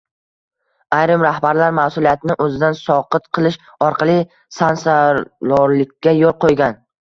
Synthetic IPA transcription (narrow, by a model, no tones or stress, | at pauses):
ajɾɪmɾahbaɾlaɾmasʊlˠijat̪ʰɪnɪʔɵzɪd̪ansɒqɨt̪qʰɨlˠɪʃ | ɒɾqʰɑlˠɪ | sansalɒɾlɪkʲːajolˠqʰojɡʲan